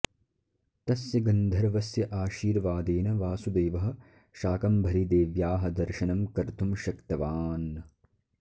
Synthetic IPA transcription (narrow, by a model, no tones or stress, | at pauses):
t̪ɐsjɐɡɐnd̪ʱɐɾʋɐsjɐʔaːʃiːɾʋaːd̪eːnɐʋaːsud̪eːʋɐɦɐ̆ | ʃaːkɐmbʱɐɾid̪eːʋjaːɦɐ̆d̪ɐɾʃɐnɐmkɐɾt̪ʰumʃɐkt̪ɐʋaːnɐ